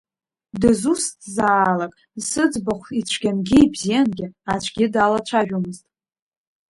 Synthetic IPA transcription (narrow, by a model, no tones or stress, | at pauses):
dɨzustʰzaːlakʼ | sɨd͡zbaχʷit͡ɕʷʰɡʲanɡʲɪjbzijanɡʲɪat͡ʃʷʰɡʲɪdalat͡ʃʷʰaʒᶣumɨztʼ